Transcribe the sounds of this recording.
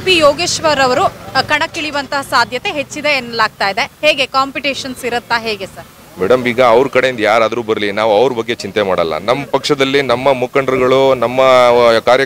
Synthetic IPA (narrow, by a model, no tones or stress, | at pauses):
pijoːɡeːʃʋɐɾɐʋɐɾukɐɳɐkːiɭiʋɐnt̪ɐɦɐsaːd̪ʱjɐt̪e̞ɦet͡ʃːid̪e̞ːnːɐlaːɡ̚t̪aːjid̪e̞heːɡe̞kaːmpiʈiːʃɐnsiɾɐt̪ːaɦeːɡe̞sɐɾ | mɛɽɐmbiːɡɐːʋɾkɐɽe̞jind̪jaːɾaːd̪ɾuːbɐɾlinaːʋuɐʋɾubɐɡːe̞t͡ʃint̪e̞maːɽɐlːɐ̰nɐmːɐpɐkʂɐd̪ɐlːinɐmːɐmukɐɳɖɐɾɡɐɭunɐmːɐkaːɾjɐ